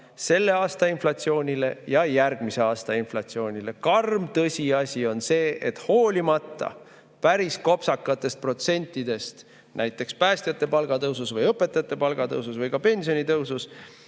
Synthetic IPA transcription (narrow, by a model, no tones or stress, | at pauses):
se̞lːe̞ɑːst̪ɑinflɑt̪sio̞ːnʲile̞jɑjærɡ̥mise̞ɑːst̪ɑinflɑt̪sio̞ːnʲile̞kɑrmt̪ɤsʲiɑsʲio̞nse̞ːʔet̪ho̞ːlʲimɑt̪ːˑɑ̰ | pæɾisko̞psɑkːˑɑt̪ːˑe̞st̪̚pro̞t̪se̞nʲt̪ːˑid̪e̞st̪ | næjt̪ːˑe̞kspæːst̪jɑt̪ːˑe̞pɑlɡ̥ɑt̪ɤwsusvɤjɤpːˑe̞t̪ːˑɑjɑt̪ːˑe̞pɑlɡ̥ɑt̪ɤwsusvɤjɡ̥ɑpe̞nʲsio̞nʲit̪ɤwsus